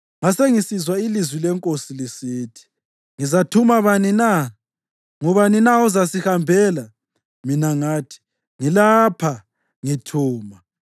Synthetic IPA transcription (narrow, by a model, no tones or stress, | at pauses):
ŋaseŋisizwailizwilɛŋkʼosilisiːtʰi̥ | ŋizatʰumaβanina | ŋuβaninaɔzasihambʱɛːla | minaŋaːtʰi̥ | ŋilapʰa | ŋitʰuːma